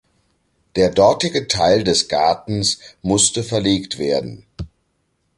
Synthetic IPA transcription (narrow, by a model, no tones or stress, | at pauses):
d̥eːɐdɔɐtɪɡətʰaɪldɛsɡ̥aɐtn̩smʊstəfɛɐleːktv̥eːɐdn̩